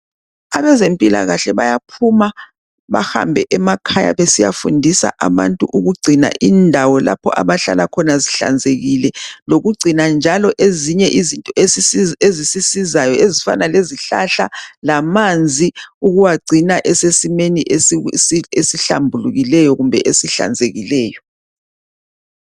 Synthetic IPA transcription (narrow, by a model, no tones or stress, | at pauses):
aβɛzempʼila̰ɣaɬɛβajapʰuma | βaha̰mbʱɛʔɛmakʰaja̰βesija̰fundʱisa̰ʔaβa̰ntʼuʔuɣuɡ͡ǀʱina̰ʔindʱawɔla̰pʰɔ̰ʔa̰βaɬa̰lakʰɔnaziɬa̰nd͡zʱeɣilɛloɣuɡ͡ǀʱinand͡ʒʱalɔʔeziɲɛʔizintʼɔeezisisizajɔezifa̰naleziɬa̰ɬa̰lamand͡zʱiuɣuwaɡ͡ǀʱinaʔɛsesimeniʔe | esiɬa̰mbʱuluɣilɛjɔɣumbʱɛʔesiɬa̰nd͡zʱeɣilɛːjɔ